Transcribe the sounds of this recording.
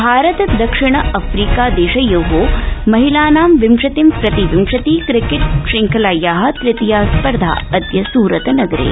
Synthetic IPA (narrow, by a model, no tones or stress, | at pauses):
bʱaːɾɐt̪ɐd̪ɐkʂɪɳ̃ɐʔɐfɾiːkaːd̪eːʃɐjoɦoːmɐɦilaːnaːmʋimʂɐt̪impɾɐt̪iʋimʂɐt̪iːkɾɪkɪʈ̚ʂɪŋkʰɐlaːjaːɦɐ̆t̪ɾɪt̪ijaːspɐɾd̪ʱa̰ːɐd̪jɐsuːɾɐt̪ɐnɐɡɐɾḛː